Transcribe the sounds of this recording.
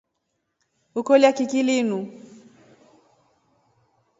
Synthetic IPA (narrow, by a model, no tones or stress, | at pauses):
ukɔljakikilinu